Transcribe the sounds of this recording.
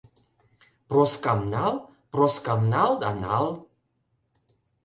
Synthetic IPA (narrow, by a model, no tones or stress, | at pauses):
pɾɔskamnalˠ | pɾɔskamnalˠd̪analˠ